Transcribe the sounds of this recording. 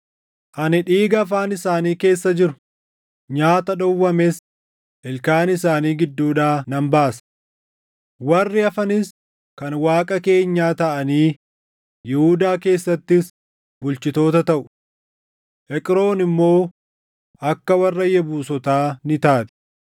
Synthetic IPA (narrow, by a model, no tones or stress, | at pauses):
ʔɐnɪᶑiːɡɐːfaːnɪsaːniːke̞ːsːɐd͡ʒɪɾʊ̥ | ɲaːt̪ɐᶑɔwːɐmes | ʔɛlkaːnɪsaːniːɡɪd̪ːuːᶑaːnɐmbaːsɐ̥ | wɐrːɪɐfɐnɪs | kɐnwaːkʼɐke̞ːɲːaːt̪ɐʔɐniː | jɛhud̪aːke̞ːsːɐt̪ːɪs | bʊlt͡ʃɪt̪o̞ːt̪ɐt̪ɐʔʊ̥ | ʔɛkʼɾo̞ːnɪmːo̞ː | ɐkːɐwɐrːɐjɛbuːsɔt̪aːnɪt̪aːt̪ɛ̥